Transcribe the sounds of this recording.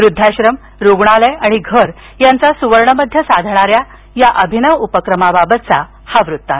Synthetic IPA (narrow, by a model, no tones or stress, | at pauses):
ʋɾud̪ʱːaɕɾəm | ɾuɡɳaleaɽ̃iɡʱəɾ | jant͡sasuʋəɾɳəməd̪ʱjəsad̪ʱɳ̃aɾja | jaʔəbʱinəʋupəkɾəmababət̪̚t͡sa | haʋɾut̪ːat̪